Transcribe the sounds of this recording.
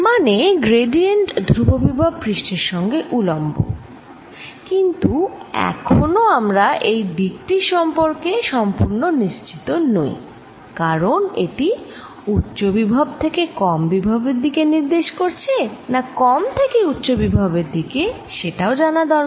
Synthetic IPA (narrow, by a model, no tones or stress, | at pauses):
maneɡɾeɖieɳʈd̪ʱɾubobibʱabpɾiʃʈeɾʃɔŋɡeʔulombo̰ | kint̪uɛ̰kʰonoamɾaʔejd̪ik̚ʈiʃɔmpoɾkeʃɔmpuɾnoniʃt͡ɕi̥t̪ono̰j | kaɾonḛʈi | utːɕobibʱab̚t̪ʰekekɔmbibʱabeɾd̪ikeniɾd̪eʃkoɾt͡ɕʰenakɔmt̪ʰekeutːɕobibʱabeɾd̪ike | ʃeʈaod͡ʑanad̪ɔɾ